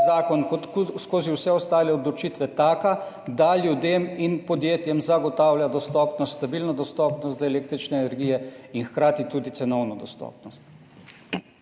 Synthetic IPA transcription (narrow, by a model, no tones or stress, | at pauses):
zaːkɔnk̪skoːziwsɛɔst̪aːlɛɔd̪lɔt͡ʃiːt̪ʋɛt̪aːka | d̪aljud̪eːminpɔd̪jeːt̪jɛmzaɡɔt̪aːwljad̪ɔst̪ɔːpnɔst̪st̪abiːlnɔd̪ɔst̪ɔːpnɔst̪zɐeleːk̚t̪ɾit͡ʃnɛːnɛɾɡiːjɛinxkɾaːt̪it̪uːd̪itsɛnɔwnɔd̪ɔst̪ɔ̰ːpnɔst̪